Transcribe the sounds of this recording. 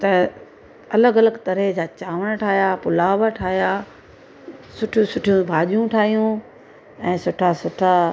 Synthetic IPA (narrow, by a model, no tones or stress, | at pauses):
t̪ɐ | ɐləɡɐləɡt̪ɐɾed͡ʑaːt͡ɕaːʋəɽ̃ʈʰaːɦjaːpʊlaːʋəʈʰaːɦijaː | sʊʈʰjũsʊʈʰijũbʱaːʄijũʈʰaːɦijũ | ɛ̃ːsʊʈʰasʊʈʰa